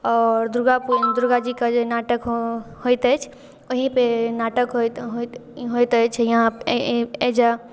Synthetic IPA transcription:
ɔːɾd̪ɾʊɡapud̪ɾuɡad͡ʒikad͡ʒenaːʈəkhoit̪ət͡ʃʰ | ʊɦipenaːʈəkɦ | ɦoit̪ət͡ʃʰjɦã | ed͡ʒa

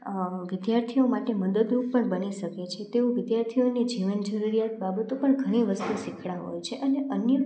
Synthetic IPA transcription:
ʋɪd̪jaɾt̪ʰiomaʈeməd̪əd̪ɾuk̚pəɳbəniʃəket͡ʃʰet̪eoʋɪd̪jaɾt̪ʰionid͡ʒiʋənd͡ʒəɾuɾijat̪babət̪opəɳɡʱəɽ̃iʋəst̪uʃikʰɽaɦo̰jt͡ʃʰeʔəneʔənjə

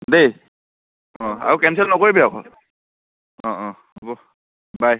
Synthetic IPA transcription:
dej | ɔ̃a̰ɹukɛmsɛlnɔkoɹibɛakɔ̰ | ɔ̃ʔɔ̃ | obɔ | baj

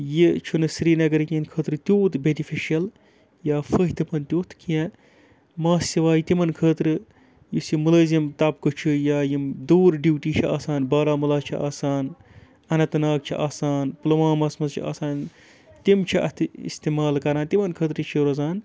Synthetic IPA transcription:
jit͡ʃʰunɨsɾiːnɐɡɐɾkienkʰəːt̪ɾɨt̪ʲjoːt̪benifʰiʃijɐl | jaːfəɦit̪ɨpɐnt̪ʲjoːt̪ʰkijɛ̃ | maːsiʋaːjit̪imɐnkʰəːt̪ɾɨ | jusimulɐːzimt̪ɐpkɨt͡ʃʰujaːjimd̪uːɾɖiwʈiːt͡ʃʰiaːsaːnbaːɾaːmulaːt͡ʃʰiʔa̰ːsaːn | ɐnɐt̪naːk̚t͡ʃʰiʔaːsaːnplɐʋãːmɐsmɐzt͡ʃʰḭa̰ːsaːn | t̪imt͡ʃʰiʔɐ̰t̪ʰɨḭst̪iːmaːlkɐɾãːnt̪imɐnkʰəːt̪ɾt͡ʃʰiɾɐzaːn

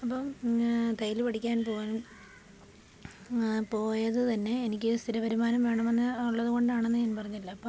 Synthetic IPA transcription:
ɐpːɐmt̪ɐjilpɐʈikʲːaːnpo̞ːɣaːnum | po̞ːjɐðɨt̪ɐnːe̞ːnikʲːɨst̪ʰiɾuʋɐɾumaːnɐmʋe̞ːɳɐmenːɨuɭːɐðɨko̞ɳɖaːɳenːɨɲaːnpɐrɐɲːilːɐːpːoː

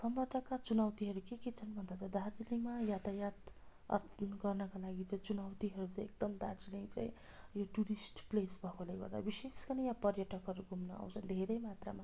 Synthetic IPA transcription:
sʌmbʌrt̪ʰʌkat͡sunawt̪iɦʌɾukeket͡sʰʌnbʱʌnd̪at͡sad̪ard͡zilimajat̪ajat̪ʌ̰ɡʌrnʌkalaɡit͡saĩt͡sunawt̪iɦʌɾut͡saj̃ek̚d̪ʌmd̪ard͡zilit͡sa̰ĩ | joʈuɾisʈplesbʱʌkolajɡʌ̰rd̪a̰biseskʌnijapʌrjʌʈʌkɦʌɾuɡumnʌ̰a̰w̃t͡sʰʌnd̪ʱeɾʌjmat̪ra̰ma

